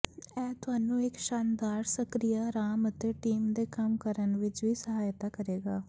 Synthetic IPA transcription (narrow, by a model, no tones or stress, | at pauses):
ɛ̃ːt̪ʊɦaːnũːɪkʃaːnd̪aːɾsəkɾijaːɾaːmət̪eːʈiːmd̪eːkəmkəɾənʋɪt͡ʃʋiːsəɦaːjt̪aːkəɾeːɡaː